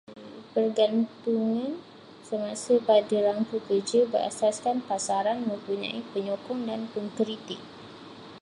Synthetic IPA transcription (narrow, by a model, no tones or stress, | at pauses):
pərɡant̪uŋan | səmãsəbadəɾaŋkəkəd͡ʒəbəra̰saskanpasaɾanmə̃mpuɲã̰ipəɲɔkɔŋdanpəŋkɾit̪ɪk̚